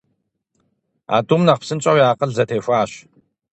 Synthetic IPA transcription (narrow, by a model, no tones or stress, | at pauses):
a̰ːtʼumnɐqpsɨnt͡ʃʼɐwjaːqʼəɮzɐtʰeːxʷaːɕ